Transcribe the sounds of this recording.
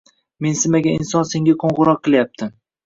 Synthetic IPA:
me̞nsɪmaɡʲaɪnsɒnse̞ŋɡʲaqʰoɴʁʊɾɒq̚ʰːɨljap̚t̪ʰɪ

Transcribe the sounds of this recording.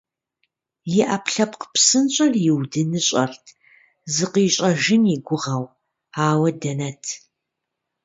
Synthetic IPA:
jɪʔɐpɬɐpqpsɨnt͡ʃʼɐrjɪwdɨnɨɕʼɐrtʰ | zɨqiːɕʼɐʒɪniɡʷʊʁɐw | aːwɐdɐnɐtʰ

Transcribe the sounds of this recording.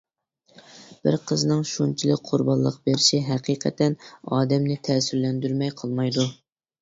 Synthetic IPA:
b̥ɪ̰ɾqʰəznɨŋʃunt͡ʃʰilˠɪk̚ʲqʰʊɾbɑlˠːəqbeɾɪʃiɦɛqʰiqʰɛ̰t̪ɛnɑːd̪ɛmnɪt̪ʰɛsyɾlɛnd̪yɾmɛjqʰəlˠmɑjd̪u

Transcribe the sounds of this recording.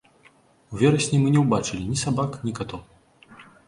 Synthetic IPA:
uvʲɛɾɐsʲnʲimɨnʲɛwbat͡ʂɨlʲinʲisabaknʲikat̪ɔ

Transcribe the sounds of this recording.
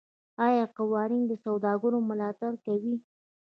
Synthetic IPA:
ɑjɑqawɑɾɪŋd̪əsawd̪ɑɡəɾomʊlɑt̪aɾkawi

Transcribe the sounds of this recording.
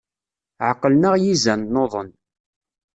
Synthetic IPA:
ʕəqːəlnəʁjizænːoðˤən

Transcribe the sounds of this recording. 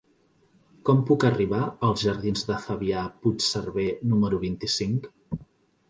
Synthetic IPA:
kɔmpukəriβ̞aəlˠzʒəɾðinzðəfəβiaput͡ʃsərβenuməɾuβint̪isiŋk

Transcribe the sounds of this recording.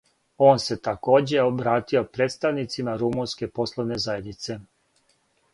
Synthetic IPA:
o̞ːnse̞t̪ako̞ːd͡ʑeobɾaːt̪io̞pɾeːt̪st̪aʋnit̪simaɾumunske̞po̞slˠo̞ʋne̞zaje̞d̪nit̪se̞

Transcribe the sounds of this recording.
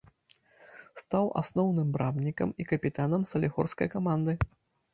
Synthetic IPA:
st̪awʔa̰snɔwnɨmbɾabnʲikɐ̰mikɐpʲit̪anɐmsɐlʲiɣɔrskɐ̰jkamand̪ɨ

